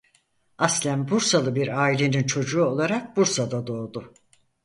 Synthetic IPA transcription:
aslʲæmbuɾsalˠɯbiɾaːilʲe̞nint͡ʃʰo̞d͡ʒuːo̞lˠaɾak̚buɾsad̪ad̪o̞ːd̪ʊ

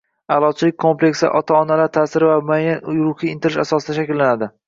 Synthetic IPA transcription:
alˠɒt͡ʃʰɪlɪk̚ʲkʰomple̞kʲsɪ̰ʔɒt̪ʰaɒnalaɾt̪ʰaːsɪɾɪvamʊajanjʊɾʊχiɪnt̪ʰɪɾɪʃasɒsɪd̪aʃakʲɪlːanad̪ɪ

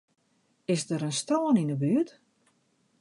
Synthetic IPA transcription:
ɪsdəɾənstoːəninəbyət

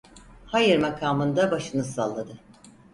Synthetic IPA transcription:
hajɯɾmakʰaːmɯnd̪abaʃɯnɯsa̰lˠːad̪ɯ

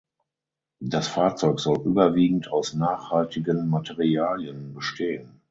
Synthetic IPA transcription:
dasfaːɐt͡sɔʏkz̥ɔlʔyːbɐviːɡŋ̩taʊsnaːχhaltʰɪɡənmatʰɛʁiaːljənbəʃtʰeːən

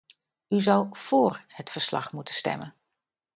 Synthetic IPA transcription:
yzʌwv̥ʊːɹhətfəɹslɑ̰χmutənstɛ̰mən

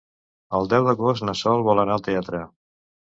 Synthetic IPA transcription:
əlˠd̪ɛwðəɣostnəsɔlˠβɔlənalˠt̪eat̪ɾə

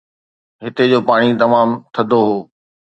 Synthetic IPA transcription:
ɦɪt̪ed͡ʑoːpaːɽ̃it̪ɐmaːmt̪ʰɐd̪ʱoɦoː

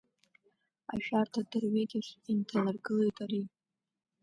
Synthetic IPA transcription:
a̰ʒᶣartʰadɨrɥejtʼiʃʼintʰanɨrɡɨle̞jtʼaɾi

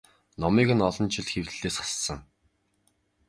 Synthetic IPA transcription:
nɔmiːɣɘ̆nɔɮɞ̆nt͡ɕʰɪ̆ɮxewt̪ɘ̆ɮeːsχḁssə̆ŋ

